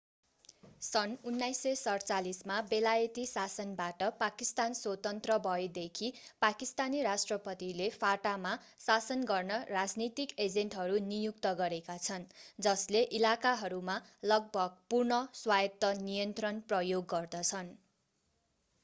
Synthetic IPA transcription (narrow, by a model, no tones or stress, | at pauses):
sʌnunːajsʌsʌrt͡salismabelajʌt̪isasʌnbaʈʌpakist̪answʌt̪ʌnt̪rʌbʱʌed̪ekʰipakist̪aniɾasʈrʌpʌt̪ilepʰaʈama | sasʌnɡʌrnʌrad͡znit̪iked͡zenʈɦʌɾunijukt̪ʌɡʌɾekat͡sʰʌnd͡zʌsleʔilakaɦʌɾumalʌɡ̚bʱʌɡ̚purnʌswajʌt̪ːʌnijʌnt̪rʌnprʌjoɡːʌrd̪ʌt͡sʰʌn